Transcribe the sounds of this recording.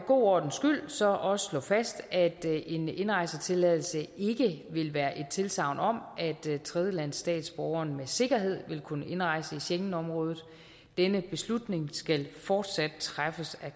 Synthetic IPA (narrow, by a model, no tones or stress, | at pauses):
ɡ̥o̝̰ːɒ̰ːd̥n̩sɡ̥yl̰sɒ̽ʔɒ̽sə̥slɔ̰̽ːfæsd̥æd̥e̝ne̝nʁɑ̈ɪsət͡sʰe̝lɛðˠl̩səe̝ɡ̥əʋe̝lʋæːɐʔe̝d̥̚t͡sʰe̝lsɑ̈ʊ̰nɒ̽m̰ʔæd̥t͡sʰʁɛð̞ˠjəlæn̰sːd̥ɛ̰ːd̥sb̥ɒʊɐːnmese̝ɡ̥ɐɦe̝ð̞̰ˠʋe̝lkʰunəʔe̝nʁɑ̈ɪ̰səiɕeŋn̩ɒ̽mʁɔ̽ːð̩ˠ | d̥enəb̥e̝slud̥ne̝ŋsɡ̥ælfɒːd̥sæd̥̚t͡sʰʁafəsæ